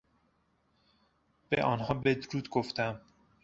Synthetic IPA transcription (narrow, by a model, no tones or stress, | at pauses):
b̥ḛʔɒːnɦɒːbed̪ɾuːd̪ɡoft̪ʰæm